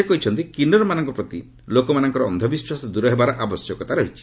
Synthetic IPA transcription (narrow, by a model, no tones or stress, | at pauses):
ekɔɦit͡ʃʰɔnt̪ikinɔɾɔmanɔŋkɔpɾɔt̪i | lokɔmanɔŋkɔɾɔɔnd̪ʱɔbiswasɔd̪uɾɔɦebaɾɔʔabɔsjɔkɔt̪aɾɔɦit͡ʃʰi̥